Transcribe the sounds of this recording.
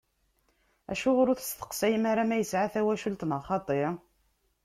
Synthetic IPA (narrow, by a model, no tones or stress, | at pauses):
æ̰ʃʊʁɾʊθəst̪ə̥qsæjəmaɾamæjəsʕaθæwæʃult̪nəχɑt̪ˤeɾ